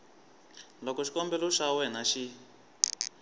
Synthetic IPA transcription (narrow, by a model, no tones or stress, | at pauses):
lɔkɔʃi̥kɔmbɛlɔʂawɛnaʃi